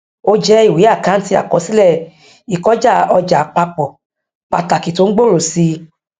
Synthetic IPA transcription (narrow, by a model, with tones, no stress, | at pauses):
o˧d͡ʒɛ˦i˦˨wi˨˦a˦˨kã˨˦n̩˦ti˧˦a̰˨kɔ˨˦si˦lɛ˦˨ | i˨kɔ˨˦d͡ʒa˦˨ɔ˧d͡ʒa˨˦k͡pa˧k͡pɔ˨ | k͡pa˨ta˨ki˨to˨˦n̩˦ɡ͡bo˦˨ɾo˨si˧